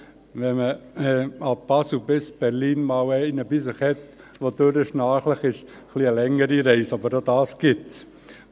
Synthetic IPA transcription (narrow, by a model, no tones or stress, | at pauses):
ʋɛməɛɑp̚b̥ɑsubɪsb̥ɛɾliːnmɑwɛɪnəbisəχhɛt̪ | ʋodøɾɪʃnɑːχləχɪʃ | χliəlɛŋːəɾiɾɛɪsɑbəɾdod̪ɑːsɡ̥ɪt